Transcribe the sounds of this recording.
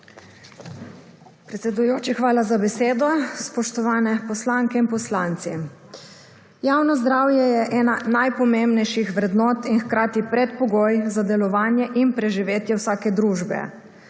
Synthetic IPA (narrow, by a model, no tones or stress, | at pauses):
pɾɛt̪sɛd̪ujoːt͡ʃixʋaːlazabɛseːd̪ɔspɔʃt̪ɔʋaːnɛpɔslaŋkɛinpɔslant̪si | jaːwnɔzd̪ɾaːwjɛjɛʔɛːnanajpɔmembnɛjʃixʋɾɛd̪nɔːt̪inxkɾaːt̪ipɾɛt̪pɔɡoːjzad̪ɛlɔʋaːnjɛʔinpɾɛʒiʋeːt̪jɛwsaːkɛd̪ɾuːʒbɛ̰